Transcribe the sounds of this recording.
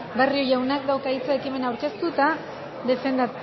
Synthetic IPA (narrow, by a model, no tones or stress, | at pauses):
berio̞jawnak̚d̪awkait͡saekime̞nawɾke̞st̪ut̪a | ðe̞fe̞nd̪a